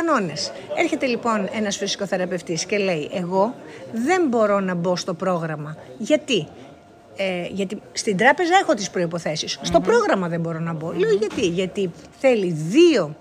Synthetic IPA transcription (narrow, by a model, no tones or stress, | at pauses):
ɐno̞ne̞se̞ɾçe̞t̪e̞lipo̞ne̞nɐsfisi̥ko̞θe̞ɾɐpe̞ft̪isce̞le̞iʔe̞ɣo̞ðe̞mbo̞ɾo̞nɐbo̞st̪o̞pɾo̞ɣɾɐmɐ | ʝɐt̪i | eʝɐt̪ist̪ind̪ɾɐpe̞zɐe̞xo̞t̪ispɾo̞ipo̞θe̞sisːt̪o̞pɾo̞ɣɾɐmɐðe̞mbo̞ɾo̞nɐbo̞leoʝɐt̪iʝɐt̪iθe̞liðio̞